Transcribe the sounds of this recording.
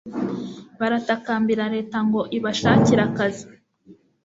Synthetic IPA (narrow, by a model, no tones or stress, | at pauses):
βaɾatakaːmbiɾaɾe̞ːtaŋɡo̞ʔiβaʃaːciɾakazi